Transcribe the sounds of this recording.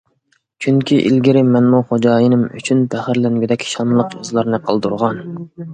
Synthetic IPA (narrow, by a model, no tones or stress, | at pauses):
t͡ʃʰyŋkʲʰiʔḭlɡʲiɾɪmɛnmuχod͡ʒɑːjinɪmy̰t͡ʃʰynt̪ʰæχɪɾlænɡʲyd̪ɛkʲʰʃɑnlˠəqjozlˠɑɾnɨqʰəlˠd̪uɾʁɑn